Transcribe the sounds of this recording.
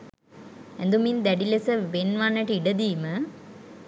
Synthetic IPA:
ænd̪umind̪æɖilesəʋenʋanːəʈəiɖəd̪iːmə

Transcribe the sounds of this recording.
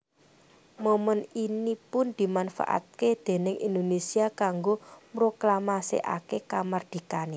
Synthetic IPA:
moməninipʊnd̪̥i̤manfa̰ʔa̰t̪̚ked̪̥e̤nɪŋʔḭnd̪onesiakaŋɡomɾoklamasḛʔa̰kekamard̪̥i̤kane

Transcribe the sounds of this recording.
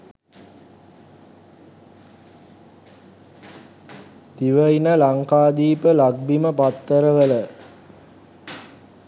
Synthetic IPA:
t̪iʋəinəlaŋkaːd̪iːpəlaɡ̚biməpat̪ːəɾəʋələ

